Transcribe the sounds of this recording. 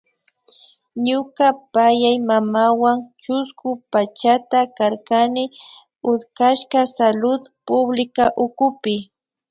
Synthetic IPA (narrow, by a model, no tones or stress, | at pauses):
ɲʊkapajajmamawaŋt͡ʃʊskʊpat͡ʃat̪akaɾkanɪ | ʊd̪kaʃkasalʊd̪pʊblɪkaʔʊkʊpɪ